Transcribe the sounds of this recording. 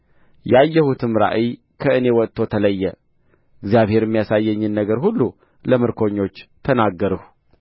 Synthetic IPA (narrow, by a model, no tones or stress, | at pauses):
jajːəhut̪ʰɨmɾa̰ʔij | kʰəʔɨne̞wɔt̪ʰːo̞t̪ʰələjːɛ | ɨɡzijaβhe̞ɾɨmːijasajːəɲːɨnːəɡəɾɦulːu | ləmɨɾkʰo̞ɲːo̞t͡ʃːt̪ʰənaɡːəɾəhu